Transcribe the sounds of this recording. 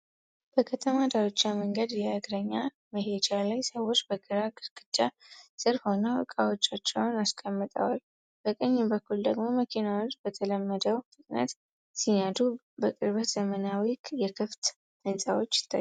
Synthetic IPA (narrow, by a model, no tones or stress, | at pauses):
b̥əkʰət̪ʰəmad̪aɾot͡ʃːaməŋɡəd̪jɛɨɡɾəɲːa | məɦe̞d͡ʒalajsəwo̞t͡ʃːbəɡɨɾaɡɨɾɡʼɨt͡ʃːasʼɨɾho̞nəwɨ̰kʼawot͡ʃːat͡ʃːɛwnaskʼəmːɨt̪ʼə̰wal | b̥əkʼəɲːɪmbəkʰːuld̪əɡmo̞məkʰinawot͡ʃːb̥ət̪ʰələmːəd̪əwt̪ʼɨkʼnə̰t̪ | sijad̪u | bəkʼɨɾβət̪z̥əmənawikʼjɛkʰɨft̪ | ɨnsʼawo̞t͡ʃːɪ̥t̪ʰːa̰